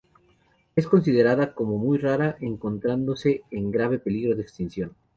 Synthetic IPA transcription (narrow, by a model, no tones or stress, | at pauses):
e̞sko̞ns̬ið̞e̞ɾaðako̞mo̞mujraɾaʔe̞ŋko̞nt̪ɾand̪o̞se̞ːŋɡɾaβ̞e̞pe̞liɣɾo̞ðeekst̪insjo̞n